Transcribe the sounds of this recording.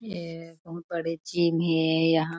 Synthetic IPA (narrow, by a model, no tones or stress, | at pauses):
jebɐɦʊt̪̚bɐɽet͡ʃiːmɦɛ̃jɐɦã